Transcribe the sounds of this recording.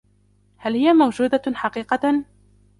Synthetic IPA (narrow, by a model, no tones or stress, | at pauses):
halhɪjamawd͡ʒuːd̪aħɑqiːqɑ